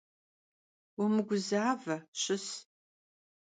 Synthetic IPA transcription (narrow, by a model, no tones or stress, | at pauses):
wʊmɨɡʷʊzaːvɐɕɪs